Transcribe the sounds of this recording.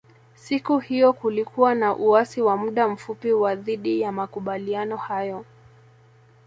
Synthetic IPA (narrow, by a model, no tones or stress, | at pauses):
sikuhijɔkulikuwanaʔuasiwamuɗam̩fupiwaðiɗijamakuɓalianɔhajɔ